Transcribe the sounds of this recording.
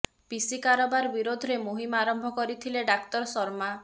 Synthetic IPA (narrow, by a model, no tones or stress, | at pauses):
b̥isikaɾɔbaɾbiɾod̪ʱɔɾemoɦimɔaɾɔmbʱɔkɔɾit̪ʰileɖakt̪ɔɾɔsɔɾma